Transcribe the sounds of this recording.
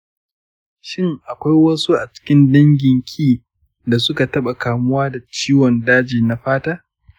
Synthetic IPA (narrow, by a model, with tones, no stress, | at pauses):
ʃɪ˦ŋʔa˨kʷa˦jwɐ˦su˦ʔa˨t͡ʃɪ̥˦kʲɪ˦ndɐ˦ŋɡʲɪ˨ŋkʲʰiː˦˨ | da˨sʊ˦ka˨tɐ˦ɓa˨kaː˨mʊ˦waː˦da˨t͡ʃiː˦wɔ˨ndaː˦d͡ʒiː˨na˨ɸaː˦taː˦